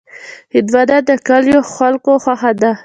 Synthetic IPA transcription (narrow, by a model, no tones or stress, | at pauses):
hɪd̪wad̪ad̪əkaljoxalkoxwaxad̪a